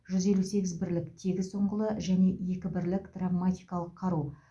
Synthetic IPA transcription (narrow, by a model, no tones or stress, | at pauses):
ʒ̥ʏzje̞luse̞ɡʲɪzbɪɾlɪkt̪ʰe̞ɡʲɪzsoɴʁəlˠəʒæne̞je̞kʲɪbɪɾlɪkd̪̥ravmat̪ʲijkɑlˠəqʰːɑɾu